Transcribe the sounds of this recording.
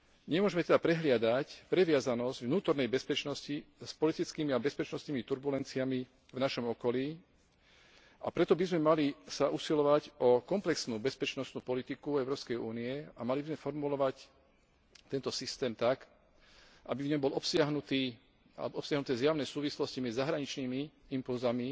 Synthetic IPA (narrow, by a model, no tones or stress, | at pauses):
ɲɛmʊɔʒmɛt̪ɛd̪apɾɛɦlɪad̪acpɾɛʋɪazanɔzɟvnuːt̪ɔɾnɛjbɛspɛt͡ʃnɔscispɔlit̪it͡skimiabɛspɛt͡ʃnɔst̪niːmit̪uɾbulɛnt͡siami | vnaʃɔmɔkɔliː | apɾɛt̪ɔbizmɛmalisaʔusilɔʋacɔkɔmplɛksnuːbɛspɛt͡ʃnɔst̪nuːpɔlit̪ikuɛʊɾɔːpskɛjuːniɛamalibizmɛfɔɾmulɔʋac | t̪ɛnt̪ɔsist̪ɛːmt̪ak | ʔabivɲɔmbɔlɔpsɪaɦnut̪iː | a̰lɛbɔɔpsjaɦnut̪ɛːzjaʊnɛːsuːʋislɔscimɛzːaɦɾaɲit͡ʃniːmiimpulzami